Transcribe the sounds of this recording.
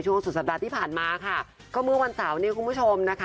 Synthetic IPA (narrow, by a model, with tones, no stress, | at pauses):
t͡ɕʰu˥˩əŋsu˨˩sa˨˩daː˧t̪ʰiː˥˩pʰaː˨˩nmaː˧kʰa˥˩ | kɔː˥˩mɯ˥˩əwa˧nsa˩˦wniː˦˥˩kʰu˧npʰu˥˩t͡ɕʰo˧mna˦˥kʰ